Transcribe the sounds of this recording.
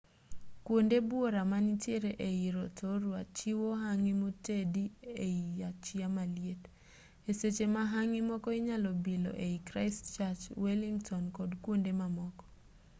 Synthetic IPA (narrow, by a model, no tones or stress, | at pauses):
kwondebwoɾamanitjeɾeʔeiɾɔtʰoɾwat͡ʃiwoɦaŋimotedieiat͡ʃiamaljet | eset͡ʃemaɦaŋɪmɔkɔiɲalɔbilɔ̰ʔeikɾaɪstt͡ʃat͡ʃweliŋtɔnkɔdkwondemamɔkɔ̥